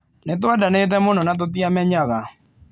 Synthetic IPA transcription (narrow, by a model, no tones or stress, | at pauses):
netoadanet̬ɛmonɔnat̬ot̬iamɛɲaða